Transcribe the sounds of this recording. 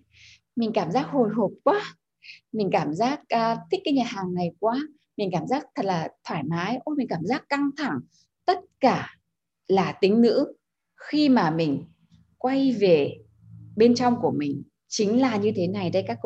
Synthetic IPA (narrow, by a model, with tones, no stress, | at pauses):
mï˨˩ŋ̟kaː˧˩mzaː˦˥k̚ho˨˩jɦo˨˩p̚kwaː˨˦ | mï˨˩ŋ̟kaː˧˩mzaː˦˥k̚ːt̪ʰï̟˦˥kaː˧˦jɲa˨˩t̚haː˨˩ŋːa˨˩jkwaː˧ | mi˨˩ŋ̟kaː˧˩mzaː˦˥k̚t̪ʰə˨˩t̚laː˨˩t̪ʰwaː˧˩jmaː˨˦jʔo˧mi̟˨˩kaː˧˩mzaː˦˥kːa˧ŋt̪ʰa˧˩ŋ | t̪ə˦˥t̚kaː˧˩ | laː˨˩t̪ï˨˦ŋ̟nɨ̰˧˥ | xi˧maː˨˩mï˨˩ŋ̟ | kwa˧jve˨˩ | ɓe˧nt͡ɕɔ˧wŋ͡mku˧˩əmï˨˩ŋ̟ | t͡ɕï˨˦ŋ̟laː˨˩ɲɨ˧t̪ʰe˨˦na˨˩jɗa˧jkaː˦˥k